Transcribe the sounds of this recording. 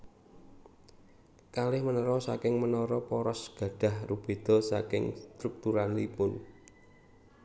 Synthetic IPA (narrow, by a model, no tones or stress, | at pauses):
kalɪhmənəɾɔsa̰kɪŋmənɔɾɔpɔɾɔsɡ̥ä̤ɖ̥ä̤hrub̥e̤d̪̥ɔ̤sa̰kɪ̰ŋst̪ɾuk̚t̪uɾanlipʊn